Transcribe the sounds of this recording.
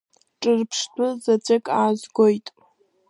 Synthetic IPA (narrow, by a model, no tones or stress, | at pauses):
ʈ͡ʂʼɨrpʰʂtʰʼʊzat͡ɕʷʼɪkʼaːzʷɡojtʼ